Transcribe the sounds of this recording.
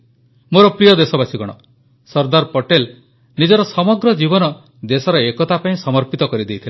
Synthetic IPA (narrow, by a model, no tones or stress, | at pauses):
moɾɔpɾijɔd̪esɔbasiɡɔɽ̃ɔ | sɔɾd̪aɾpɔʈel | nid͡ʒɔɾɔsɔmɔɡɾɔd͡ʒibɔnɔ | d̪esɔɾɔekɔt̪apaĩsɔmɔɾpit̪ɔkɔɾid̪ejt̪ʰil